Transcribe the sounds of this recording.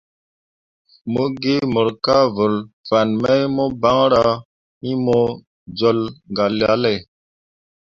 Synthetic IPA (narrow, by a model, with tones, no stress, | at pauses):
mo˦ɡe˦mə˨ɾka˦və˨lva˨nmɛ˦jmo˦ba˦ŋɾa˦ | i˦mo˦ | d͡zɔ˦lŋɡa˨lja˦lɛ˨